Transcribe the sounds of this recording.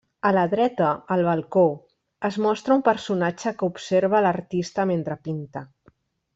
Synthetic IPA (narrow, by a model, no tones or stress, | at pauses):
ələðɾɛt̪əːlˠβɐlˠko | əzmɔst̪ɾəumpəɾsunat͡ʃəkəupseɾβ̞ələrt̪ist̪əment̪ɾəpint̪ə